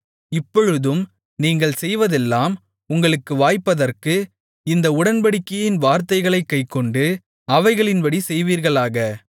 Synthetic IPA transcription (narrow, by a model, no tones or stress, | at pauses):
ɪpːɔɻɯðɯm | niːŋɡɐɭsɛjʋɐðɛlːaːm | ʊŋɡɐɭɯkːɯʋaːjpːɐðɐrkɯ | ɪnd̪ɐʊɽɐnbɐɽɪkːɐjɪnʋaːɾt̪ɐɪɣɐɭɐɪkːɐɪkːɔɳɖɯ | ɐʋɐɪɣɐɭɪnbɐɽisɛjʋiːɾɣɐɭaːɣɐ